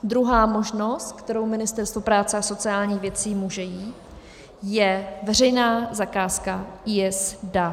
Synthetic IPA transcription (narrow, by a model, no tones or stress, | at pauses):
d̪ɾuɦaːmo̞ʒno̞st̪̚kt̪ɛɾo̞wmɪnɪst̪ɛɾst̪vopɾaːt͡sɛaso̞t͡sɪaːlɲiːxvjɛt͡siːmuʒɛjiːt̪ | jɛvɛr̝ɛjnaːzakaːskaiːɛsda